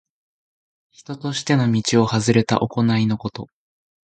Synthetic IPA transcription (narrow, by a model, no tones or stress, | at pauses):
çi̥t̪o̞t̪o̞ɕi̥t̪e̞no̞mʲit͡ɕio̞hazɨɾe̞t̪a̰ʔo̞ko̞naino̞ko̞t̪o̞